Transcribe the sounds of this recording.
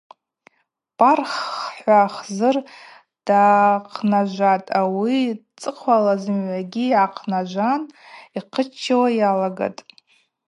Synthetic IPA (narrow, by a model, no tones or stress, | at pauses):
pʼarχħʷaχzɨr | d̥aːqʰnaʒʷatʼawit͡sʼɨqʰʷalazɨmʕʷaɡʲijʕaqʰnaʒʷaniqʰət͡ʃʰːawajalaɡa̰tʼ